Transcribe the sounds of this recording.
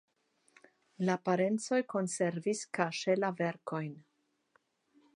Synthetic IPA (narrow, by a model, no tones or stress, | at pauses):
lapaɾe̞nt͡so̞jko̞nse̞ɾviskaʃe̞lave̞ɾko̞jn